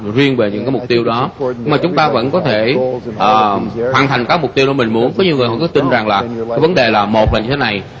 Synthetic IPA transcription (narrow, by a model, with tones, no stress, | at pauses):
zwi˧ənve˨˩ɲɨ̰˧˥ŋkaː˨˦jmʊ˨˩k͡p̚t̪i˧əwɗɔ˨˦ɲ˧ŋmaː˨˩t͡ɕʊ˨˦ŋ͡mt̪aː˧və̰˧˥nkɔ˨˦t̪ʰe˧˩ʔəː˨˩hwaː˧˩nt̪ʰa˨˩jŋ̟kaː˦˥k̚mʊ˨˩k͡p̚t̪i˧əwɗɔ˨˦mï˨˩ŋ̟mu˨˦ənkɔ˨˦ɲi˨˩əwŋɨ˨˩əhɔ˧˨˩kɨ˨˦t̪i˧nza˨˩ŋlaː˨˩kaː˨˦jvə˨˦nɗe˨˩laː˨˩mo˨˩t̚vaː˨˩ɲɨ˧t̪ʰe˦na˨˩j